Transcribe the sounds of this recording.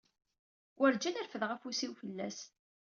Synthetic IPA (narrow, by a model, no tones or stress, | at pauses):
wʔəɾd͡ʒænæɾfəðʁəfusiwfəlːæ̰s